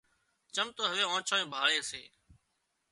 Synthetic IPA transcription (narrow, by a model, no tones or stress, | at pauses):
t͡ʃəmt̪oːɦəʋeːõːt͡ʃʰoːẽːbʱaːɭeːseː